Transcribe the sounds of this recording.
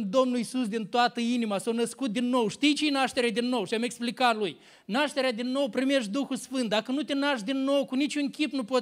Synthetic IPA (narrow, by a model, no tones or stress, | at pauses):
d̪o̞mnulisusd̪int̪oat̪əinimasawnəskut̪̚d̪inːo̞wʃt̪ijt͡ʃejnaʃt̪e̞ɾed̪inːo̞wʃiame̞ksplikat̪luj | naʃt̪e̞ɾead̪inːo̞wpɾime̞ʃt̪ʲd̪uxusfɨnt̪̚d̪akənut̪enaʃd̪inːo̞wkunit͡ʃʲunkʲipnupo